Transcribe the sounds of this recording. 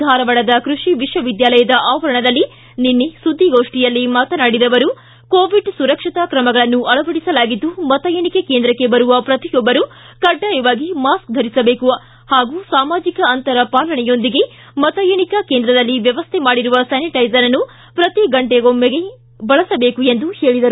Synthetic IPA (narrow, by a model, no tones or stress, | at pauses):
d̪ʱaːɾɐʋɐɭɐd̪ɐkɾuʂiʋiʂʋɐʋid̪jaːlɐjɐd̪ɐʔaːʋɐɾɐɳɐd̪ɐlːi | ninːisud̪ʱːiɡoːʂʈijɐlːimaːt̪ɐnaːɽid̪ɐʋɐɾu | koːʋiɖsuɾɐkʂit̪ɐkɾɐmɐɡɐɭɐnːuʔɐlɭɐbɐɽisɐlaːɡid̪ːumɐt̪ɐjɐɳikekeːnd̪ɾɐkːe̞bɐɾuʋɐpɾɐt̪ijɔbːɐɾu | kɐɖːaːjɐʋaːɡimaːsk̚d̪ʱɐɾisɐbeːkuʋɐ | haːɡuːsaːmaːd͡ʒikɐːnt̪ɐɾɐpaːlɐɳɛjo̞nd̪iɡe̞ | mɐt̪ɐjɐɳikɐkeːnd̪ɾɐd̪ɐlːiʋjɐʋɐst̪ʰɛmaːɽiɾuʋɐsaːniʈɐjzɐɾɐnːu | pɾɐt̪iɡɐɳʈeɡomːeɡe | bɐɭɐsɐbe̞ːkuend̪uhe̞ːɭid̪ɐɾu